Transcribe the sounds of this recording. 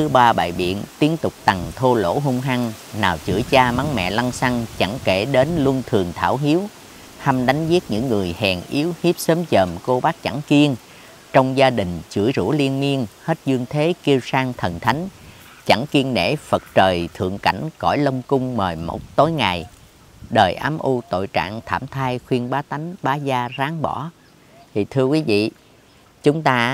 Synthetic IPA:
t̪ɨ˨˦ɓaː˧ɓa̰ː˧˨jɓḭ˧˨ənt̪i˦˥ənt̪ʊ˨˩k͡p̚t̪a˨˩ŋt̪ʰo˧lo̰˧˥ɦʊ˧ŋ͡mɦa˧ŋ | naː˨˩wt͡ɕɨ̰˧˩jt͡ɕaː˧ma˨˦ŋmɛ̰˧˨la˧ŋsa˧ŋt͡ɕa˧˩ŋke˧˩ɗe˨˦nlu˧ənt̪ʰɨ˨˩əŋt̪ʰaː˧˩wɦi˨˦əw | ha˧mɗa˨˦jŋ̟zi˦˥ət̚ɲɨ̰˧˥ŋːɨ˨˩əjhɛ˨˩ŋʔi˨˦əwhi˦˥p̚səː˨˦mt͡ɕəː˨˩mko˧ɓaː˦˥k̚t͡ɕa˧˩ŋki˧ən | t͡ɕɔ˧wŋ͡mzaː˧ɗï˨˩ŋ̟t͡ɕɨ̰˧˩əjzṵ˧˥li˧ənmi˧ənhe˦˥t̚zɨ˧əŋt̪ʰe˨˦ki˧wsaː˧ŋt̪ʰə˨˩nt̪ʰa˨˦jŋ̟ | t͡ɕa˧˩ŋki˧əŋnḛ˧˩˥fə˨˩t̚t͡ɕəː˨˩jt̪ʰɨ̰˧˨əŋka̰˧˩jŋ̟kɔ̰˧˩jlə˧wŋ͡mkʊ˧ŋ͡mməː˨˩jmo̰˨˩t̚t̪o˨˦jŋa˨˩j | ɗəː˨˩jʔaː˨˦mʔu˧t̪o̰˧˨jt͡ɕa̰ː˧˨ŋt̪ʰaː˧˩mt̪ʰaː˧jxwi˧ənɓaː˨˦t̪a˨˦jŋ̟ɓaː˨˦zaː˧zaː˨˦ŋɓɔ̰˧˩˦ | t̪i˨˩t̪ʰɨ˧əkwi˨˦vḭ˧˨ | t͡ɕʊ˨˦ŋ͡mt̪aː˧

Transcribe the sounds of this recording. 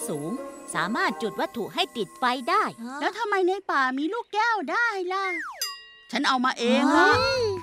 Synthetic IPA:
suː˩˦ŋsa̰ː˩˦maː˥˩t̪̚t͡ɕu˨˩t̪̚wa˦˥t̪ʰːu˨˩ʔɦa˥˩jt̪i˨˩t̪̚fa˧jdaː˥˩jɛː˦˥wt̪ʰa˧mːa˧jna˧jpaː˨˩miː˧luː˥˩kːɛː˥˩wdaː˥˩ɦa˥jla˧˩ | t͡ɕʰa˦˥nʔa˧wmaː˧ʔeː˧ŋlɔ˦˥

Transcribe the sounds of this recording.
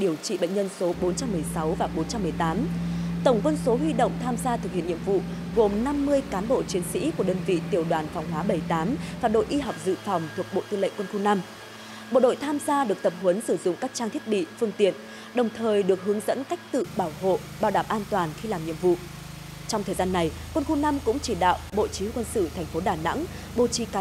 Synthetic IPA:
ɗi˨˧˩əwt͡ɕḭ˧˨ɓə̰˧˨ŋ̟ɲə˧nso˨˦ɓo˨˦nt͡ɕa˧mːɨ˨˩əjsa˨˦wvaː˨˩ɓo˨˦nt͡ɕa˧mːɨ˨˩əjt̪aː˨˦mt̪ə˧˩wŋ͡mkwə˧nso˨˦ɦwi˧ɗo̰˧˨wŋ͡mt̪ʰaː˧mzaː˧t̪ɨ˨˩k̚hḭ˧˨nɲḭ˧˨əmvṵ˧˨ | ɣo˨˩mna˧mːɨ˧əjkaː˨˦nɓo̰˧˨t͡ɕi˨˦ənsḭ˧˥ku˧˩ə˩ɗəː˧nvḭ˧˨t̪i˨˩əwɗwaː˨˩nfɔ˨˩wŋ͡mɦwaː˨˦ɓə˧˩jt̪aː˨˦mvaː˨˩ɗo̰˧˨jʔi˧ɦa˨˩wk͡p̚zɨ̰˧˨fa˨˩wŋ͡mt̪ʰu˨˩ək̚ɓo̰˧˨t̪ɨ˧lə̰˧˨ŋkwə˧nxu˧na˧m | ɓo̰˧˨ɗo̰˧˨jt̪ʰaː˧mzaː˧ɗɨ˨˩ək̚t̪ə˨˩p̚hwə˨˦nsɨ˧˩zʊ̰˧˨ŋ͡mka˦˥k̚t͡ɕaː˧ŋt̪ʰət̚ɓḭ˧˨fɨ˧əŋt̪ḭ˧˨ən | ɗə˨˩wŋ͡mt̪ʰəː˨˩jɗɨ˨˩ək̚ɦɨ˨˦əŋzə̰˧˥nka˦˥jk̟̚t̪ɨ̰˧˨ɓaː˧˩who̰˧˨ | ɓaː˧˩wɗaː˧˩mʔaː˧nt̪waː˨˩nxi˧laː˨˩mɲḭ˧˨əmvṵ˧˨ | t͡ɕɔ˧wŋ͡mt̪ʰəː˨˩jzaː˧nːa˨˩jkwə˧nxu˧na˧mkʊ̰˧˥ŋ͡mt͡ɕi˧˩ɗa̰ː˧˨wɓo̰˧˨t͡ɕi˨˦hkwə˧nsɨ̰˧˨t̪ʰɛ˨˩jŋ̟fo˨˦ɗaː˨˩na̰˧˥ŋ | ɓo̰˧˨t͡ɕi˨˦ka˨˦

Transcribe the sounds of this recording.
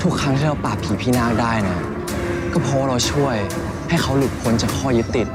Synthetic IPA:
t̪ʰu˦˥kʰɾa˦˥ŋt̪ʰiː˥˩ɾa˧wpaː˨˩p̚ʰiː˨˩˦pʰiː˥˩naː˥˩k̚daː˥˩jna˦˥˩ | kɔː˥˩pʰɔː˧˦˧ɾa˧wt͡ɕʰu˥˩əj | ha˥˩jxʰa˦˥wlu˨˩p̚kʰo˧nt͡ɕaː˨˩kʰɔː˥˩jɯ˦˥t̪ːi˨˩t̪̚

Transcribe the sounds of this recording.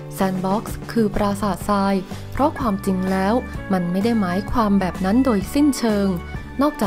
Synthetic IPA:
sɛː˧nbɔ˦˥k̚skʰɯː˧pɾaː˧saː˨˩t̪̚saː˧jpʰɾɔ˦˥kʰwaː˧mt͡ɕi˧ŋlɛː˦˥wma˧nma˥˩jda˥˩jmaː˩˦jkʰwaː˧mbɛː˨˩p̚na˦˥ndoː˧jsi˥˩nt͡ɕʰɤː˧ŋ | nɔː˥˩k̚t͡ɕaː˨˩

